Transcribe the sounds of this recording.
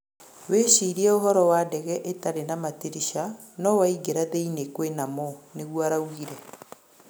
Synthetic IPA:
weɕiːɾiɛoɦɔɾɔwaːdɛɣɛʔetaɾenamatiɾiʃa | nɔwaiɡeɾaðeinekwenamɔneɣwaɾawiɾɛ

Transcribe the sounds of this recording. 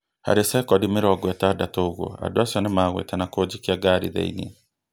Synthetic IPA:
ha̰ɾesɛkɔdimeɾɔɡwɛtaːdatooɣo̰a̰doasjɔnemaːɣwḛtanakod͡ʒikiaɡaɾḭðɛ̰ḭnḛ

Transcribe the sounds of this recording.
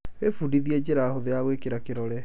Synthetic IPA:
wefudiðiɛd͡ʑeɾaːhoðeaɣwekeɾakeɾɔɾɛ

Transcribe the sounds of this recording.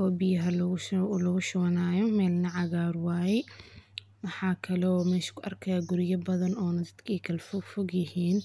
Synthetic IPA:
ɔːbɪjɐɦɐllɔɣʊʃʊwɐnaːjɔmɛːlnɐʕɑɣaːɾwaːjɛj | wɑħɑːkʰɐlɔːmɛːʃkʰʊʔɐrkʰɐjaɡʊɾɪjɐbɐðɐnɔːnɐd̪ɐd̪kʰiːkʰɐlfɔɡfɔɡjɪhiːn

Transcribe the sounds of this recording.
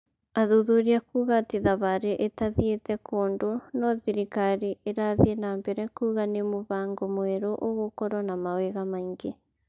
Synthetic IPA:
aðoðoɾiakuːɣateðaβaɾeʔetaðietɛkoːndonɔðiɾikaɾiʔeɾaðiɛnambɛɾɛkuːɣanemoβaːŋɡomwɛɾoʔoɣokɔɾwɔnamaweɣamaiŋɡe

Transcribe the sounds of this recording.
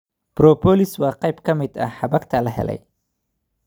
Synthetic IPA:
b̥rɔːpʰɔːlɪswɑːqɑjbkʰɐmɪd̪ɐ̰ħɑbɐkt̪ʰɐlɐɦɛ̰lɛ̰j

